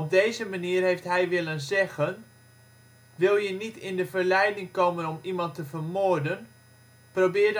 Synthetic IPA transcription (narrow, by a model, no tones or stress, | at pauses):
ɔb̚dejzəmaniərɦejftɦɛjʋɪlənzɛɣən | ʋɪlˠjənitɪndəvəɹlɛjdɪŋkoːmənɔmimɑntəvəɹmʊɹdən | prowbɪːd